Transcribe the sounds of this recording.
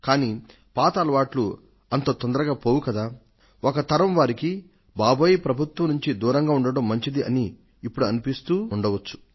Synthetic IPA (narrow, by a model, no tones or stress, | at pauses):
kaːni | paːt̪aːlɐʋaːʈlu | ɐnt̪o̞ːt̪ɔnd̪ɐɾɐɡaːpoːwukɐd̪aː | okɐt̪ɐɾɐmʋaːɾiki | baːboːjipɾɐbʱut̪ʋɐmnuɲt͡ʃid̪uːɾɐŋɡaːuɳɖɐɽɐmːɐɲt͡ʃid̪iɐniː | pːuɽuɐnipist̪uːɳɖɐʋɐt͡ʃːu̥